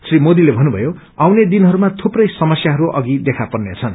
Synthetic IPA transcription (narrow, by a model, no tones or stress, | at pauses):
srimod̪ilebʱʌnːubʱʌjo | awned̪inɦʌɾumat̪ʰuprʌjsʌmʌsjaɦʌɾuʔʌ̰ɡid̪ekʰapʌrnet͡sʰʌn